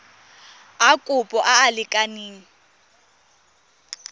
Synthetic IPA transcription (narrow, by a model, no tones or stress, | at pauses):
akʼʊpʼɔʔaːlɪkʼaniːŋ̩